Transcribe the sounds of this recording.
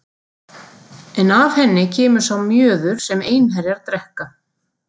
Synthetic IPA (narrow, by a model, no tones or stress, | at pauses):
ɛnav̥hɛnːɪcʰɛːmʏɾ̥sawmjœːðʏɾ̥sɛmeːjnhɛɾɪaɾt̪ɾɛhka